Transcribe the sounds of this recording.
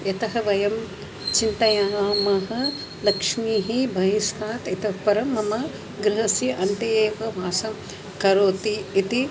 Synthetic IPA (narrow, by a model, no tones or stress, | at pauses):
jɐt̪ɐɦɐʋɐjɐm | t͡ʃint̪ɐjaːmɐɦɐ̆ | lɐkʂmiːɦibʱɐjist̪aːt̪it̪ɐpɐɾɐmɐmɐ | ɡɾɪɦɐsiʔɐnt̪eeːʋɐʋʱaːsɐm | kɐɾoːt̪iːt̪i